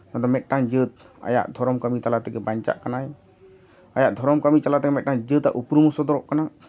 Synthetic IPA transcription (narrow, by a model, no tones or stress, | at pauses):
nat̪ɔmɛt̚ʈand͡ʒət̪̚ | a̰ja̰ʔd̪ʱɔɾɔmkəmit͡ʃalat̪ɛkɛbaɲt͡ʃa̰ʔkanaj | ajaʔd̪ʱɔɾɔmkəmit͡ʃalat̪ɛkɛmɛʈ̚ʈand͡ʒət̪a̰ʔupɾumusɔd̪ɔɾɔʔkana